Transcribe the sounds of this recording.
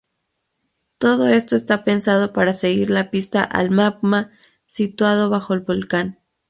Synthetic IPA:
t̪o̞ðo̞e̞st̪o̞est̪ape̞nsað̞o̞paɾase̞ɣiɾlapist̪aʔa̰lmaɡma | sit̪waðo̞βaxo̞elβo̞lkan

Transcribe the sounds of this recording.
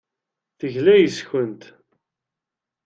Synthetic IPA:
θəʝlæjəsçənt̪

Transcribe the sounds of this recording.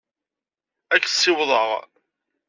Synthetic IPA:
ækːsːɪwðˤəʁ

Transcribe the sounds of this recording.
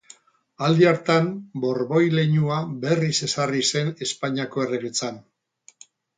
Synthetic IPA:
ald̪iaɾt̪ambo̞ɾβo̞jle̞ɲuabe̞rise̞sarise̞ne̞spaɲiako̞e̞reβet͡san

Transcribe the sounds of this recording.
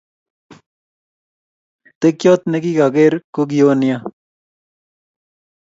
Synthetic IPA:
t̪ekjoːt̪̚neɡiɡaɡeɾkuɡijoːnija

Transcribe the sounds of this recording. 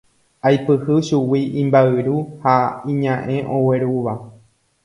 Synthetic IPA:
ajpɨhɨʃuwiʔĩmbaɨɾuhaĩɲãʔẽ̞ʔõwe̞ɾuʋa

